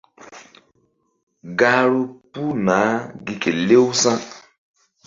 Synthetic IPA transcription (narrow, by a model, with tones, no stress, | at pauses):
ɡa˦ɾu˦pu˦naː˨˦ɡi˨ke˨le˦u˦sa˦